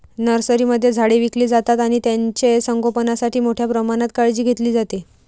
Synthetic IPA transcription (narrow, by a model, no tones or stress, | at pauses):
nəɾsəɾiːməd̪ʱːjed͡zʱaɽeʋikliːd͡zat̪at̪aɽ̃it̪jaɲt͡ɕesəŋɡopənasaʈʰiːmoʈʰjapɾəmaɽ̃at̪kaɭd͡ʑiːɡʱet̪liːd͡zat̪e